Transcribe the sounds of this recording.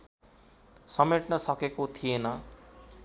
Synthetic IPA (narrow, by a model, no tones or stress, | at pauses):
sʌmeʈnʌsʌkekot̪ʰijenʌ